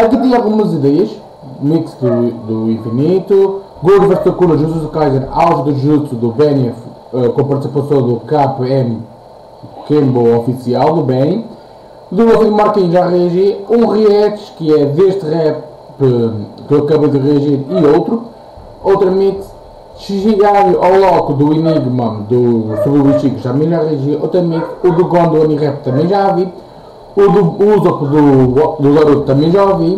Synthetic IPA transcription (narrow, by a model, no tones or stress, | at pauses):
ɐkit̪ẽj̃alˠɣumɐziðɛjɐʃ | miksðud̪uĩfinit̪u | ɡud̪vɛɾʃt̪ɐkunɐʒuzuzkajzɐ̃ɾawʒðɨʒut̪uðuβɛnɛf | ɛkõmpɐɾt̪sipɐsɐ̃d̪ukapɛm | kẽmboɔfisialˠd̪uβɛn | ðulɐzĩd̪umaɾk̪ĩʒaʁiɐʒiɾũʁiɛt̪ʃkɨɛðeʃt̪ʁɛ | pɨkewɐkɐβɐðɨʁiɐʒiɾiowt̪ɾu | owt̪ɾɐmẽt̪ | sɨʒɨɣaɾɾʔawlˠɔkuðuiniɣmɐ̃d̪usuβɾuβiʃikuʃt̪ɐmɐ̃j̃ʒaʁiɐʒiɐʔowt̪ɾɐmẽt̪uðuɣõnd̪uɐniʁɛp̚t̪ɐmɐ̃j̃ʒavi | uðuuzɐpðud̪uðɐɾut̪̚t̪ɐmɐ̃j̃ʒaovi